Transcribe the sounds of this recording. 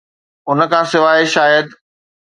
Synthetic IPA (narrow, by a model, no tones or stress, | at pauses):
ʊnə̆kʰãːsɪʋaːeʃaːjəd̪